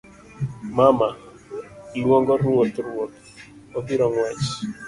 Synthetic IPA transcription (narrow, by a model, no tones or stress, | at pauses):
mama | lwɔŋɡɔrwot̪rwot̪̚ | obiɾɔŋwɛt͡ʃ